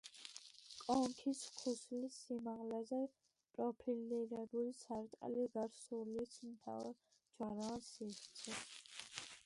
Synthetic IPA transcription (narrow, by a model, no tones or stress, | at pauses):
kʼɔŋkʰiskʰuslisimaʁlɛzɛ | pʼɾɔpʰiliɾɛbulisʰaɾt̪ʼa̰liɡaɾsulit̪sʰmt̪ʰa̰ɾ | d͡ʒaɾasiχt̪sʰɛ